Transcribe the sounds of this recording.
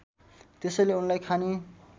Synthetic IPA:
t̪esʌjleunlajkʰane

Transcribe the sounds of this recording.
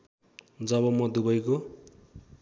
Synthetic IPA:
d͡zʌbʌmʌd̪ubʌjko

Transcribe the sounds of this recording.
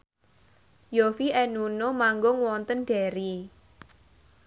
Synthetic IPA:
jofiʔɛnunomaŋɡʊŋwɔnt̪ənɖ̥ɛɾi

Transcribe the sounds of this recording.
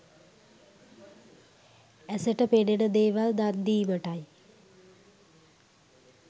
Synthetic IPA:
ɛsəʈəpenenəd̪eːʋald̪and̪iːməʈaj

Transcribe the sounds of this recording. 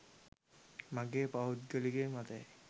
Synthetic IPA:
maɡeːpaɦut̪ɡəliɡemat̪ej

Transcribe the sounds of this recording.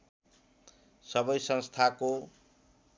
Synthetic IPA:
sʌbʌjsʌ̃nst̪ʰako

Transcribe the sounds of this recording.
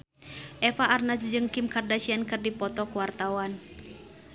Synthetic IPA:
ʔɛfaʔːrnasd͡ʒɨŋkimkardasiankɨrdipɔt̪ɔkuwart̪awan

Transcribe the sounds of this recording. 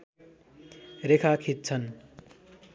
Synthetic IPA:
ɾekʰakʰit̪̚t͡sʰʌn

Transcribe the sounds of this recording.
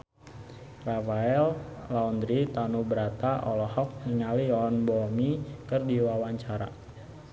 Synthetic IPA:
rafaɛllaund̪ɾit̪anubəɾat̪aʔɔlɔhɔk̚niŋaliɔnbɔmikərdiwawaɲt͡ʃaɾa̰

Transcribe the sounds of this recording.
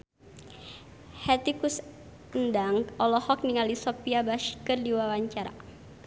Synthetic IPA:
hɛt̪ikus | əndaŋɔlɔhɔk̚niŋalisɔpiabaʃi̥kərdiwawaɲt͡ʃaɾa̰

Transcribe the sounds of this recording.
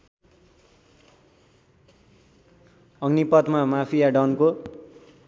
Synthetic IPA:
ʌɡnipʌt̪mamapʰijaɖʌnko

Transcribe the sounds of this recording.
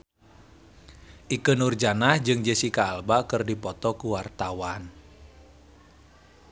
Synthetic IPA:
ʔikənurd͡ʒanahd͡ʒɨŋd͡ʒəsikaːlbakɨrdipɔt̪ɔkuwart̪awan

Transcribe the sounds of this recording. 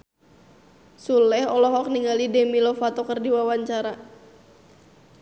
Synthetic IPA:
sulɛhɔlɔɦɔk̚niŋalidɛmilɔfat̪ɔkərdiwawaɲt͡ʃaɾa

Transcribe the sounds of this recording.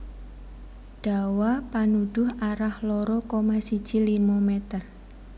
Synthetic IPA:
ɖ̥a̤wapanud̪̥ʊhaɾahlɔɾɔkomasid̥ʒ̥i̤limɔmɛt̪ər

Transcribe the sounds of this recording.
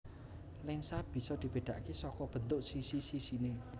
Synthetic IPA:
lɪŋsab̥i̤sɔd̪̥i̤b̥e̤ɖ̪̥a̤ʔkesɔkɔb̥ənt̪ʊʔsisisisine

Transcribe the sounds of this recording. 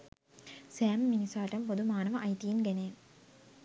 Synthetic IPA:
sæːmmːinisaːʈɐmpod̪umaːnɐʋəʔajt̪iːŋɡeneː

